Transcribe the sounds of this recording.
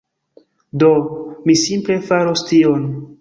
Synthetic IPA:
domisimple̞faɾostion

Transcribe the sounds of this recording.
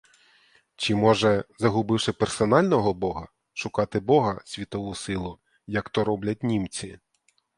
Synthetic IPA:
t͡ʃɪmɔʒɛzɐɦʊbɪwʃɪpersɔnɑlʲnɔɦɔbɔɦɐ | ʃʊkɑt̪ɪbɔɦɐsʲʋʲit̪ɔʋusɪlˠʊ | jɐkt̪ɔɾɔblʲɐt̚ʲnʲimt͡sʲi

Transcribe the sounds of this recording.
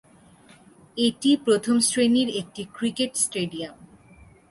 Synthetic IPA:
eʈipɾot̪ʰomsɾeniɾek̚ʈikɾikeʈsʈeɖiam

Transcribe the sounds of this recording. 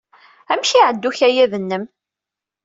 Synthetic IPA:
æmʃiʕəd̪ːuçæjæðənːəm

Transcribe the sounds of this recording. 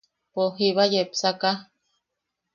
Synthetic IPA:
poɦiβajepsaka

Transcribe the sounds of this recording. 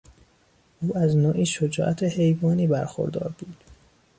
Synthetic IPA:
ʔuːæznoːʔiːʃod͡ʒɒ̰ːʔæt̪ʰehe̞jvɒːniːbæɾxo̞̰ɾd̪ɒ̰ːɾbuːd̪̥

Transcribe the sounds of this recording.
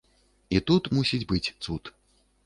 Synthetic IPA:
it̪ut̪musʲid͡zʲbɨt͡sʲt̪sut̪

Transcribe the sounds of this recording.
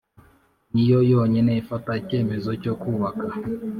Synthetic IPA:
nijɔjɔɲɛnɛifatat͡ʃɛmɛzɔt͡ʃɔkuβaka

